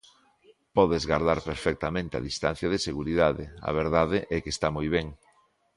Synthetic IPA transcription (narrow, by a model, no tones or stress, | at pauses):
pɔðezɣaɾðaɾpeɾfɛk̚t̪amẽnt̪ea̰ðist̪an̟θjaðeseɣuɾiðaðɪ̰ɐ̰β̞eɾðaðɪʔɛkest̪amɔjβɛŋ